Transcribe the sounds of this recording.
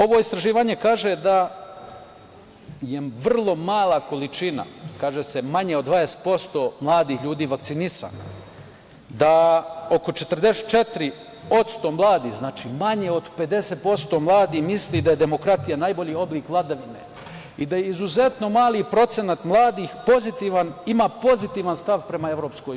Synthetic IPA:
o̞ʋoist̪ɾaʒiːʋaːɲe̞kaːʒed̪a | je̞ʋr̩lˠo̞maːlˠako̞lit͡ʃina̰kaːʒese̞maɲeod̪ʋaːd̪ese̥t̪̚po̞st̪o̞ːmlˠaːd̪iːxʎuːd̪iːʋakt̪sinisa̰ːna̰ | d̪ao̞ko̞t͡ʃe̞t̪ər̩d̪eset̪t͡ʃe̞t̪ɾi | o̞t̪st̪o̞mlˠaːd̪iznaːt͡ʃimaɲeo̞d̪pe̞d̪e̞set̪̚po̞st̪o̞mlˠaːd̪imislid̪aje̞d̪e̞mo̞kɾat̪ijanajbo̞ʎiːo̞bliːkʋlˠad̪aʋinḛ | id̪ajeizuze̞t̪no̞maːlipɾo̞t̪se̞nat̪mlˠaːd̪iːxpo̞zit̪iʋanimaːpo̞zit̪iːʋanst̪aʋpɾe̞mae̞ʋɾo̞ːpsko

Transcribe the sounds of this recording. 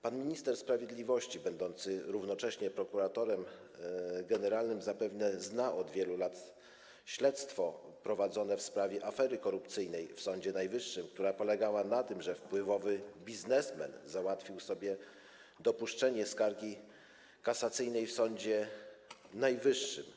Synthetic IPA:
panmʲiɲist̪ɛɾspɾavʲjɛd̪lʲivɔɕt͡ɕibɛnd̪ɔnt̪sɘɾuvnɔt͡ʂɛɕɲɛpɾɔkuɾat̪ɔɾɛm | ɡɛnɛɾalnɘmzapɛvnɛznaʔɔd̪vʲjɛlulat̪ | ɕlɛt̪st̪fɔpɾɔvad̪zɔnɛfspɾavʲjɛʔafɛɾɘkɔɾupt̪sɘjnɛjfsɔɲd͡ʑɛnajvɘʂːɘmk̚t̪uɾapɔlɛɡawanat̪ɘmʐɛfpwɘvɔvɘbʲiznɛsmɛ̰nzawat̪fʲiwsɔbʲjɛ | d̪ɔpuʂt͡ʂɛɲɛskaɾɡʲi | kasat̪sɘjnɛjfsɔɲd͡ʑɛ | najvɘʂːɘ̰m

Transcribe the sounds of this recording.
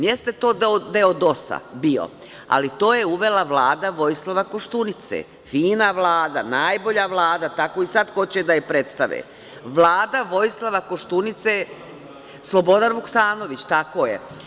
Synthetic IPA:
jest̪et̪o̞ːd̪od̪eod̪o̞sa̰bio̰ | a̰lit̪o̞ːjeuʋe̞laʋlaːd̪aʋo̞jislˠaʋako̞ʃt̪unit̪sḛː | fiːnaʋlˠaːd̪anaːjbo̞ʎaʋlˠaːd̪at̪ako̞ːisad̪xo̞t͡ɕed̪ajepɾet̪st̪aʋḛː | ʋlˠaːd̪aʋo̞jislˠaʋako̞ʃt̪unit̪seː | slˠo̞bo̞d̪anʋuksaːno̞ʋit͡ɕt̪ako̞ːjḛ

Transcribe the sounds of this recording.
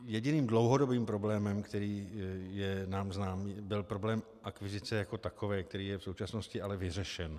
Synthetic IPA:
jɛɟɪniːmdlo̞wɦo̞dobiːmpɾo̞blɛːmɛmkt̪ɛɾiːjɛnaːmznaːmiːbɪlpɾo̞blɛːm | ʔakvɪzɪt͡sɛjako̞t̪ako̞vɛːk̚t̪ɛɾiːjɛfsowt͡ʃasnoscɪʔalɛvɪr̝ɛʃɛn

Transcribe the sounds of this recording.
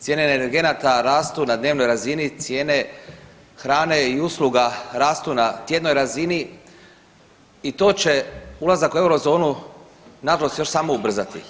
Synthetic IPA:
t̪ʲjeːne̞ːneneɾɡe̞nat̪aɾaːst̪unad̪ne̞ːʋno̞jɾazinit̪sje̞ːne̞ | xɾaːne̞iusluɡaɾaːst̪unat̪je̞d̪no̞jɾazini | it̪o̞ːt͡ɕe̞ulazakue̞wɾo̞zo̞ːnu | naʒalo̞st̪jo̞ʃsaːmo̞ubr̩zat̪ḭ

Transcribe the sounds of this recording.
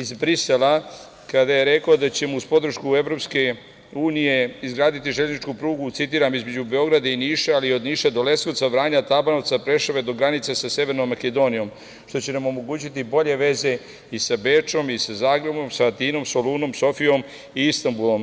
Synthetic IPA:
izbɾisela | kad̪aje̞ɾe̞kod̪at͡ɕe̞muuspo̞d̪r̩ʃkueʋɾopske̞ | uːnije̞izɡɾaːd̪it̪iʒeʎznit͡ʃkupɾuːɡut̪sit̪iːɾamizme̞d͡ʑube̞o̞ɡɾad̪ainiːʃealio̞d̪niːʃed̪ole̞snot̪savɾaːɲat̪abanoʋt̪sapɾe̞ʃaʋe̞d̪o̞ɡɾanit̪sasase̞ʋe̞ɾnomːake̞d̪o̞nijo̞m | ʃt̪o̞t͡ɕe̞namo̞mo̞ɡuːt͡ɕit̪ibo̞ʎe̞ʋe̞ze̞ | isabe̞t͡ʂo̞misazaːɡɾe̞bo̞msaat̪iːno̞mso̞luːno̞mso̞fijo̞m | iist̪ambulˠo̞m

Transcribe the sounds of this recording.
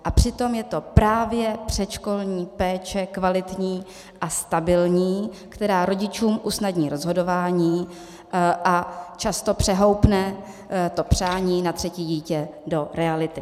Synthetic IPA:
ʔapr̝̥ɪt̪o̞mjɛt̪o̞pɾaːvjɛpr̝̥ɛt̪ʃko̞lɲiːpɛːt͡ʃɛkvalɪt̪ɲiː | ʔast̪abɪlɲiːkt̪ɛɾaːɾo̞ɟɪt͡ʃuːmʔusnadɲiːɾo̞zɦo̞do̞vaːɲiː | ʔat͡ʃast̪o̞pr̥ɛɦo̞wpnɛ | t̪o̞pr̝̥aːɲiːnat̪r̝̥ɛciːɟiːcɛdo̞ɾɛalɪt̪ɪ

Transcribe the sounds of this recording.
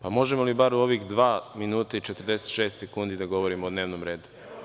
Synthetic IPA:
pamo̞ʒemolibaɾuo̞ʋixd̪ʋaːminuːt̪ait͡ʃe̞t̪ərd̪e̞set̪ʃeːst̪sekuːnd̪id̪aɡo̞ʋo̞ɾimoːd̪ne̞ːʋnomɾe̞ːd̪u̥

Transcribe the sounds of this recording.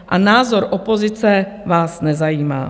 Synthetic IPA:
ʔanaːzoɾʔopo̞zɪt͡sɛvaːsnɛzajiːma̰ː

